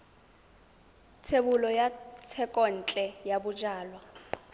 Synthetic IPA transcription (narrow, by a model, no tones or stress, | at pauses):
tʰebulɔjatʰɛkʼɔn̩t͡ɬʼɛjabud͡ʒaːlwa